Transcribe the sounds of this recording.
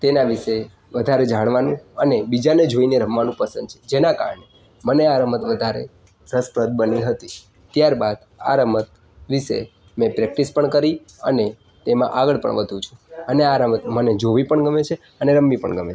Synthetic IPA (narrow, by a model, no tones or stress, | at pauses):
t̪enaʋiʃe | ʋəd̪ʱaɾed͡ʒaɽ̃ʋanũənebid͡ʒaned͡ʒoineɾəmʋanũpəsə̃nd̪t͡ʃʰe̥d͡ʒenaka̰ɾɳe | məneaɾəmət̪ʋəd̪ʱaɾḛ | ɾəspɾəd̪̚bəniɦət̪i | t̪jaɾbad̪ | a̰ɾəmət̪̚ | ʋiʃḛ | mẽpɾɛk̚ʈispəɳkəɾi | ə̰ne | t̪emã̰ʔaɡəɭpə̰ɳʋəd̪ʱũt͡ʃʰũ̥əneaɾəmət̪məned͡ʒoʋipəɳɡəmet͡ʃʰe | əneɾəmːipə̰ɳɡəmet͡ʃe